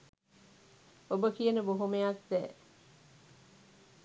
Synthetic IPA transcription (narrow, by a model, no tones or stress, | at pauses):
obəkijənəboɦumejat̪̚d̪ɛː